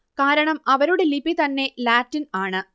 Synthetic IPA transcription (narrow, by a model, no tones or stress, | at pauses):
kaːɾɐɳɐmɐʋɐɾuɽelibit̪ɐnːe̞laːtːinaːɳɨ